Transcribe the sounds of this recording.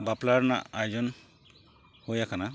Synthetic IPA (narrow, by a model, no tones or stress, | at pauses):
baplaɾna̰ajd͡ʒɔn | hujakʰana